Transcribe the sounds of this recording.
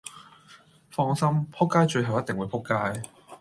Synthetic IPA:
fɔː˧˥ŋsɐ˥mpʰʊ˥kːaː˥jt͡ʃɵ˧ɥɦɐ˨wjɐ˥t̪̚ŋwuː˨˧pʰʊ˥kːaː˥j

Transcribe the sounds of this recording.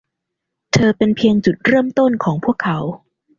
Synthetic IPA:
t̪ʰɤː˧pe˧npʰi˧əŋt͡ɕu˨˩t̪̚ɾɤː˥˩mt̪o˥˩nkʰɔː˩˦ŋpʰu˥˩əkʰːa˩˦w

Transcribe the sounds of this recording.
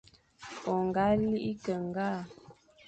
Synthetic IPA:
ɔ˨ŋ˨ɡa˦li˦ʔi˦kə˨ŋ˨ɡa˦˨

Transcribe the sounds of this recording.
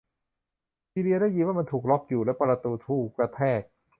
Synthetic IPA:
siː˧ɾi˧ɐɾaː˥˩jiː˧waː˥˩ma˧nt̪ʰuː˨˩k̚lɔ˦˥p̚juː˨˩lɛː˦˥wpa˧ɾa˧t̪uː˧t̪ʰuː˥˩kɾa˧t̪ʰɛː˥˩k̚

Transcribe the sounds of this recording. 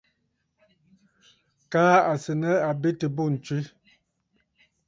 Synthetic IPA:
kaː˦a˨sə˨nə˦a˨be˦tə˨bo˦˨n̩˨t͡ʃwi˦

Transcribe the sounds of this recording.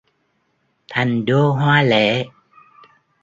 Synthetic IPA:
t̪ʰa˨˩jŋɗo˧ɦwaː˧le˧˩˦

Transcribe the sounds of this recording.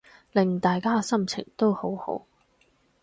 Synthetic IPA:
lɪ˨ŋt̪aː˨jkaː˥sɐ˥mt͡sʰɪ̰˨˩ŋt̪o˥who˨˥who̰˨˥w

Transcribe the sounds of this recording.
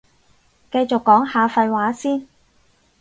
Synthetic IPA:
kɐ˧jt͡ʃʊ˨kːɔː˨˥ŋhaː˨˧fɐ˧jwaː˨˥siː˥n

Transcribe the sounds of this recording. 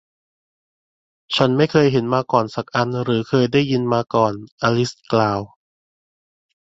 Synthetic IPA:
t͡ɕʰa˦˥˩nma˥˩jkʰɤː˧jɦe˩˦nmaː˧kɔː˨˩nsa˨˩k̚ʔa˧nɾɯː˩˦kʰɤː˧jdaː˥˩jːɯ˧nmaː˧kɔː˨˩nʔaː˧li˦˥sklaː˧w

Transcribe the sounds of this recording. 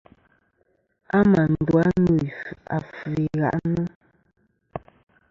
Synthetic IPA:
a˦ma˨n˨dwa˦nu˨a˨fi˨ɣa̰˦˨ʔnu˦

